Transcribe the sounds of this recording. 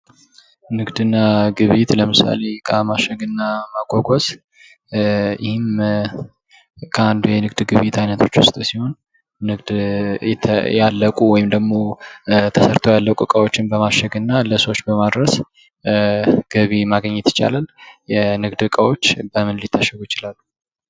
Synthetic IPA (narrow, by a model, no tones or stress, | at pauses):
nɨɡd̪ɨnːaɡɨβit̪ləmɨsa̰le̞kʼamaʃəɡɨnːamaɡʼoɡʼos | jɪhɪm | kʰəand̪ujɛnɨɡd̪ɡɨβit̪ʰajnət̪ʰo̞t͡ʃːwʊst̪ʼusiho̞n | nɨɡd̪jɛjalːəkʼuwɔjɪmd̪əɡmo̞t̪ʰəsəɾt̪ʰojalːəkʼukʼəwo̞t͡ʃːɪnbəmaʃəɡɨnːaləsəwot͡ʃːbəmad̪ɾəs | ɡ̥əβimaɡəɲːɛt̪ʰːə̥t͡ʃa̰laljɛnɨɡd̪ɨkʼəwo̞t͡ʃːbəmɨnlit̪ʰːaʃəɡujɪt͡ʃɪlalːu